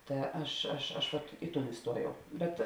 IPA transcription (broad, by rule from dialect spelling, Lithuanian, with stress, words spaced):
ˈtɐ ˈɐʃ ɐʃ ɐʃ ˈʋɐt ˈɪ ˌtuːn ɪˈstuɔjɛʊ ˈbʲɛt